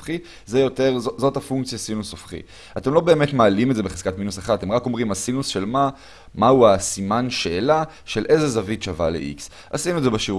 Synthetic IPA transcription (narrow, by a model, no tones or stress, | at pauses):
χi | zejo̞te̞ʁzozo̞tafuŋkt͡sjasinusofχḭ | ate̞mlo̞be̞ːmetmaːlimetzebeχez̥katminusaχadat̪emʁako̞mʁimasinusʃelma | mauasimanʃeːla | ʃe̞lʔe̞zezavitʃavalḛʔḭks | a̰sinuedzebeʃiu